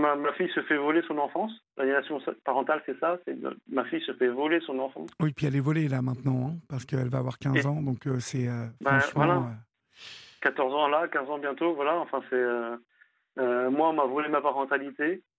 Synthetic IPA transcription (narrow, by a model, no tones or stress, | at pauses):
mamafijsəfɛvɔlesɔ̃nɑ̃fɑ̃slʔanimasjɔ̃spaʁɑ̃t̪alsɛsasɛ̰mafijsəfɛvɔlesɔ̃nɑ̃fɑ̃wipɥiɛlɛvɔlelamɛ̃t̪nɑ̃ɛ̃paʁsə̥kəɛlvaːvwaʁkʲɛ̃zɑ̃d̪ɔ̃køsɛøfbɑ̃ʃmvmwalãø | kat̪ɔʁzɑ̃lakʲɛ̃zɑ̃bjɛ̃t̪ovwalaɑ̃fɛ̃sɛø | ømwaɔ̃mavɔlemapaʁɑ̃t̪alit̪e